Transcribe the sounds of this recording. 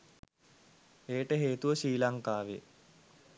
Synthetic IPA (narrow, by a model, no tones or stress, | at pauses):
eːʈəɦeːt̪uʋəɕiːlaŋkaːʋḛ